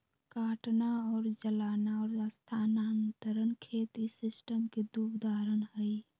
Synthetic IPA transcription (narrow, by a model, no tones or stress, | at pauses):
kaːʈnaɔːɾd͡ʒəlaːnaɔːɾast̪ʰanant̪əɾənkʰet̪isisʈəmked̪upd̪aɾənɦəj